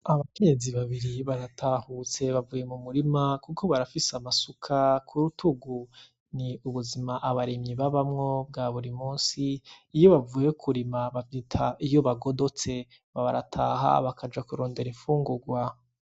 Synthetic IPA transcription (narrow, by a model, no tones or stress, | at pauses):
aβake̞ɲe̞ziβaβiɾiβaɾatʰahut͡se̞βavuje̞mumuɾimakukʰo̞βaɾafisamasukʰakʰuɾutʰuɡu | niuβuzimaʔaβaɾemɲiβaβamŋo̞bɡaːβuɾimuːnsiːjo̞βavuːjekʰuɾimaβavitʰaijo̞βaɡo̞do̞t͡se̞ | βaβaɾatʰaːɦa̰βakʰad͡ʒakuɾo̞ːnde̞ɾiɱfuːŋɡuɡwa